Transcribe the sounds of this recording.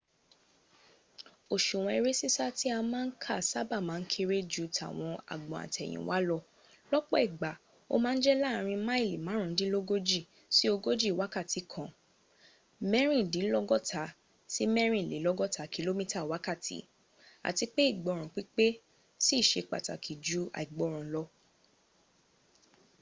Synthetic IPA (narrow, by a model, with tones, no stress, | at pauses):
o˨ʃũ˨w̃ɔ̃˧i˧ɾe˦si˦sa˦ti˦a˧mãː˦kʰa˦˨sa˦ba˦˨mã˨˦n̩˦kʰe˧ɾe˦d͡ʒu˦tʰa̰˨w̃ɔ̃˧a̰˨ɡ͡bɔ̃˨a̰˨tɛ˨j̃ḭ̃˨˦wa˦lɔ˧ | lɔ˦k͡pɔ˦i˨ɡ͡ba˨ | o̰˦mãː˦n̩˦d͡ʒɛ˦la˦˨˧ɾ̃ĩ˧ma˦i˦˨li˨mãː˨˦ɾ̃ũ˨˦dĩ˦lo˦ɡo˦d͡ʒi˦˨ | si˦o˧ɡo˦d͡ʒi˦˨wa˨˦ka˦˨ti˨˦kʰã˨ | mɛ˦ɾ̃ĩ˦˨dĩ˨˦lɔ˦ɡɔ˦˨tʰa˨˦ | si˦mɛ˦ɾ̃ĩ˦˨le˨˦lɔ˦ɡɔ˦ta˨ki˨˧lo˦mĩ˦ta˦˨wa˨˦ka˦˨tḭ˨˦ | a̰˨ti˧k͡pe˦i˦˨ɡ͡bɔ̃˨ɾ̃ɔ̃˨k͡pi˦k͡pe˦ | si˦˨ʃe˧k͡pa̰˨ta̰˨kʰi˨d͡ʒu˨˦a̰˨i˨ɡ͡bɔ˨˦˨ɾ̃ã˨lɔ˧